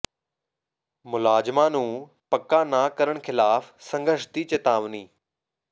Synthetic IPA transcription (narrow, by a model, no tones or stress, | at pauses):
mʊlaːd͡ʒmaːnũː | pəkːaːnaːkəɾəɽ̃kʰɪlaːfsə̃ŋɡəɾʃt̪iːt͡ʃet̪aːʋniː